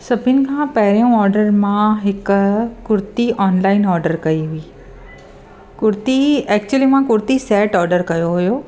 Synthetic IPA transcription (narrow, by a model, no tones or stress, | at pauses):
sɐbʱɪnɪ̆kʰãːpɐɦɪɾijũɔːɾɖəɾmãɦɪkkʊɾt̪iʔɔːnlaːɪnɔːɾɖəɾkɐiɦʊiː | kʊɾt̪iɛːk̚t͡ɕuəlimãkʊɾt̪isɛːʈɔːɾɖəɾkɐjoɦʊjoː